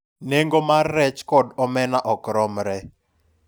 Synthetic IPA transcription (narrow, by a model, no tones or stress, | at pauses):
neŋɡɔmarːɛt͡ʃkɔdɔmɛnaʔɔkɾɔmɾɛ